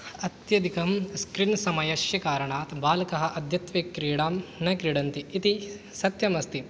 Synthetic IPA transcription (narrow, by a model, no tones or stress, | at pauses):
ɐt̪jɐd̪ikɐmskɾinsɐmɐjɐʃjɐkaːɾɐɳaːt̪baːlɐkɐɦɐ̆ʔɐd̪ʱjɐt̪ʋeːkːɾiːɽaːmnɐkɾiːɽɐnt̪iːt̪i | sɐt̪jɐmɐst̪i